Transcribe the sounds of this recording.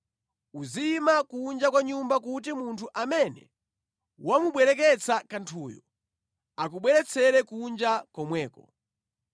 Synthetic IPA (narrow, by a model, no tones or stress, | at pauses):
uzimakund͡ʒakwaɲumbakut̬imuntʰuʔamɛnɛ̰ | wamuɓwɛlɛk̬ɛt͡sʰakantʰuːjɔ | akuɓwɛɾɛt͡sʰɛɾɛkund͡ʒakɔmwɛːkɔ